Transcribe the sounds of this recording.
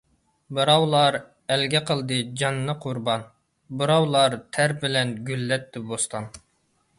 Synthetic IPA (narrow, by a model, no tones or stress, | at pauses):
bɨɾɑwlˠɑɾ | ɛlɡʲɛqʰəlˠd̪ɨd͡ʒɑnːɨqʰʊɾbɑn | bɨɾɑwlˠɑɾt̪ʰæɾbɪlɛnɡʲylːɛt̪ːɪbost̪ʰɑn